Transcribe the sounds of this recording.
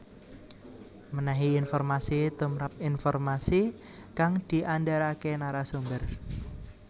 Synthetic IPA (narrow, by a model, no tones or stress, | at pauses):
mənaɦiːnfɔrmasit̪umɾap̚infɔrmasi | kaŋd̪̥i̤ʔandaɾakenaɾasumbər